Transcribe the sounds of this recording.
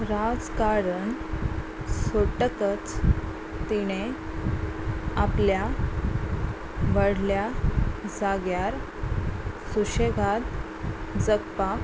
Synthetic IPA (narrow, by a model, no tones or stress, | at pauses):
ɾad͡zkaɾəɳ | soʈəkət͡s | t̪iɽ̃e | aplja | ʋəɽ̤ljad͡zaɡjaɾ | suɕeɡad̪ | d͡zəkpa